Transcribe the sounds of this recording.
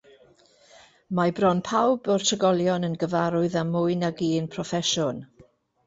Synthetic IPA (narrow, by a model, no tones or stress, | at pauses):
mabrɔnpʰawbɔrtʰəɡɔlˠjɔnənɡəvaɾʊɨðamʊɨnaɡiːnpʰrɔfɛʃʊn